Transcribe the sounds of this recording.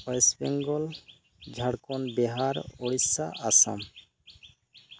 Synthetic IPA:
ɔjsbɛŋɡɔl | d͡ʒʱaɽkɔnbeɦaɾoɽisa̰ʔasa̰m

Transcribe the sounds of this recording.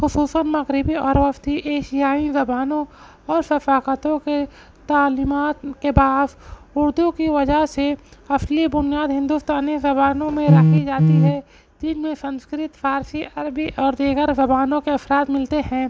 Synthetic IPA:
xʊsuːsənmɐɣɾɪbiɔːɾʋɐft̪iʔeːʃɪjaːizɐbaːnõ | ɔːɾsɐfaːkət̪õke | t̪aːlimaːt̪kebaːsʊɾd̪ukiʋɐd͡ʒəɦseɐslibʊnijaːd̪ɦɪ̃nd̪uːst̪aːnizɐbaːnõmẽɾɐkʰid͡ʒaːt̪iɦɛ | d͡ʒɪnmẽsə̃nskɾɪt̪faːɾsiʔɐɾbiʔɔːɾd̪iːɡəɾzɐbaːnõkeɐfɾaːd̪mɪlt̪eɦɛ̃ː

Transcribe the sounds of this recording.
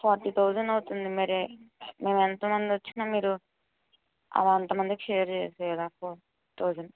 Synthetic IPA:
pʰaːɾt̪it̪oːd͡ʒɐnɐwut̪und̪imɐɾime̞ːment̪ɐmɐnd̪iot͡ʃːinaːmiːɾu | ɐ̰ʋaɐnt̪ɐmɐnd̪ikʃeːjɐɾt͡ʃeːselaːpo | t̪oːd͡ʒɐn

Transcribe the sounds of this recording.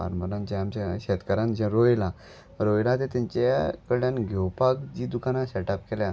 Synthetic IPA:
a̰ɾməɾãnt͡ɕaamt͡ɕaɕɛt̪kəɾãnd͡ʑɛ̃ɾojla | ɾojlãt̪et̪ãɲt͡ɕakəɭjanɡʱewpakd͡ʑiːd̪ukãnasɛʈap̚kelja

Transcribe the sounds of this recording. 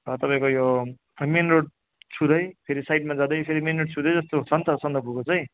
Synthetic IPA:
ʌt̪ʌpãĩkojo | menroɖ̚ | t͡sʰud̪ʌjpʰeɾisajʈ̚mad͡zãd̪ʌjpʰeɾimenroʈ̚t͡sʰud̪ʌjd͡zʌst̪oɦut͡sʰʌnt̪ʌsʌnd̪ʌbʱukot͡sʌj̃

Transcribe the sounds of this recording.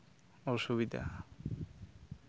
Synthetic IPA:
oʃuβid̪ʱa̰

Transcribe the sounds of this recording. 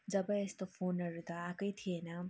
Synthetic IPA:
d͡zʌbʌest̪opʰonʌɾut̪ʌakʌjt̪ʰienʌ

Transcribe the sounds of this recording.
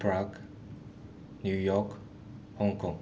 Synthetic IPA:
pɹaɡ | njujɔk | hɔ̃ŋkʰɔ̃ŋ

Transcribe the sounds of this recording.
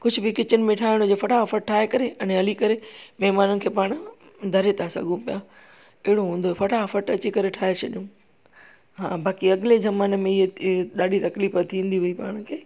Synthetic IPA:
kʊd͡ʑʱbɪkɪt͡ɕənɪ̆mẽʈʰaːɪɽ̃od͡ʑoːfɐʈʰafəʈ̚ʈʰːaːɦekɐɾeɐnẽɦɐlikɐɾemeɦmaːnʊnɪ̆kʰeːpaːɽ̃ʊ | d̪ʱɐɾet̪ʰasɐ̰ɡũpija | ɪɦɪɽoɦũːn̆d̪oefɐʈʰafɐʈɐt͡ɕikɐɾeʈʰaːɦet͡ɕʰɐɗijũ | ɦãːbaːkiɐɠɪlezɐmaːnə̆mẽɪɦeɗaːɗit̪ɐkliːfət̪ʰĩːnd̪iʋɐipa̰ːɽ̃kʰeː

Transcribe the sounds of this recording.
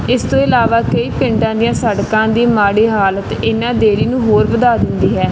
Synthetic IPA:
ɪst̪õːɪlaːʋaːkəiːpɪ̃ɳʈãːd̪ijãːsəɽkãːd̪iːmaːɽiːɦaːlət̪ɪnãːd̪eːɽiːnũːɦoːɾbəd̪aːd̪ɪnd̪iːɦɛː

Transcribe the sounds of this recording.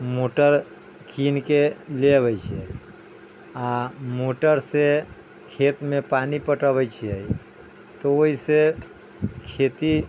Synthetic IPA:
moʈəɾ | kʰinkelebət͡ʃʰiəi | amoʈəɾse | kʰet̪mẽpanipəʈəbət͡ʃʰiəi | t̪ooise | kʰet̪i

